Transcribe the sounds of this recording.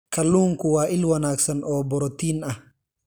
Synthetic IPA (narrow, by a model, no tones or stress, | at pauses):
kʰɐlːuːŋkʊwaːʔɪlwɐnaːksɐnʔɔːbɔɾɔt̪iːnɐh